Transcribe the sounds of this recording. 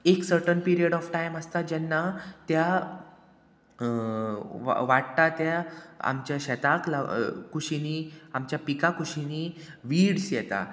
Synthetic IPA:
eksəɾʈənpiɾijəɽɔfʈajməst̪ad͡ʑɛnːat̪ja | ʋaʈt̪at̪jaa̰mt͡ɕjaɕɛt̪aklakuɕiniamt͡ɕjapikakuɕiniʋiɽsjɛt̪a̰

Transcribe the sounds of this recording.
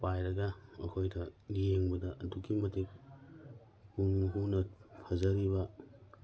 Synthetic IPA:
pajɾɐɡɐɐkʰojdɐŋijeŋbɐdɐʔɐduɡimɐtik̚ | hunɦunɐpʰɐzɐɾiβɐ

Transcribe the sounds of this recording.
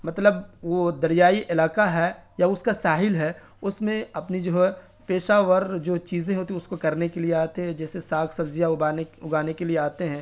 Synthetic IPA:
mɐt̪ləbʋoːd̪ɐɾijaːiʔɪlaːkaɦɛjaʊskasaːɦɪlɦɛː | ʊsmẽɐpnid͡ʒoːɦɛ | peːʃaːʋəɾd͡ʒoːt͡ʃiːzẽɦoːt̪iɦɛʊskokɐɾnekelieaːt̪eɦɛ̃d͡ʒɛːsesaːɡʰsɐbzijaaːʊɡaːnekelieaːt̪eɦɛ̃ː

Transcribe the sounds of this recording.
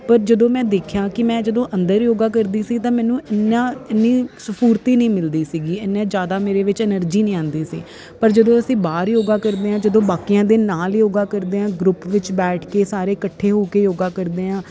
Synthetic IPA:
pəɾd͡ʒəd̪õːmɛ̃ːd̪eːkʰjãːkɪmɛ̃ːd͡ʒəd̪õːʔə̃nd̪əɾjoːɡaːkəɾd̪iːsiːt̪ãːmɛ̃ːnũːɪnːãːɪnːiːsəpʰuːɾt̪iːnĩːmɪld̪iːsiːɡiːɪnːẽːd͡ʒjaːd̪aːmeːɾeːʋɪt͡ʃɛnəɾd͡ʒiːnĩːãːnd̪iːsḭː | pəɾd͡ʒəd̪õːəsĩːbaːɾjoːɡãːkəɾd̪eːɦãːd͡ʒəd̪õːbaːkijãːd̪eːnaːljoːɡaːkəɾd̪eːãːɡɾʊpʋɪt͡ʃbɛːʈʰkeːsaːɾeːkəʈʰːeːɦoːkeːjoːɡaːkəɾd̪eːãː

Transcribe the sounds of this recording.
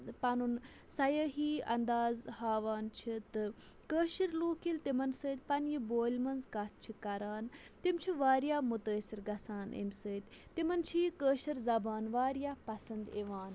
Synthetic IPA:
pɐnun | sɐjəɦiːɐ̰nd̪aːzhaːʋaːnt͡ʃʰit̪ɨ | kəːʃiɾluːkilt̪imɐnsəːt̪ʲpɐnjiboːlʲmɐnzkɐt̪̚ʰt͡ʃʰikɐɾaːnt̪imt͡ʃʰiʋaːɾjaːmut̪əːsiɾɡɐsaːnʔḛmsəːt̪ʲt̪ːimɐnt͡ʃʰikəːʃiɾzɐbaːnʋaːɾjaːpɐsɐnd̪eʋaːn

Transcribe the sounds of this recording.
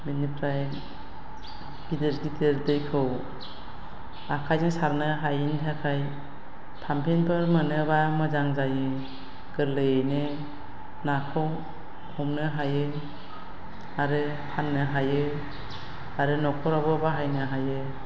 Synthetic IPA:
minipʰɾaj | bidɯɾɡitʰeɾdɯjkʰɯw | akʰajnɯsaɾnɯɦajintʰeakʰaj | pʰampʰinpʰɯɾmɯnɯbamɯzaŋzajɯ | ɡ̥ɯɾlɯjejnɯ | nakʰɯw | hɔmnɯɦajɯ | aɾɯ | hʰanːɯɦajɯ | aɾɯnɔkʰɔɾabɯbaɦajnɯɦajɯ

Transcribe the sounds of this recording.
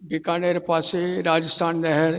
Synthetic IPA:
bɪkaːneɾpaːseɾaːd͡ʒəst̪ʰaːnːɛɦɛɾ

